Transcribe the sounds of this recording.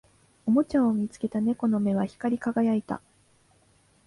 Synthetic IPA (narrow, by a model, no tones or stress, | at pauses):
o̞mo̞t͡ɕãɰ̃omʲit͡sɨ̥ke̞t̪ane̞ko̞no̞me̞βaçi̥kaɾʲikaɡajait̪a̰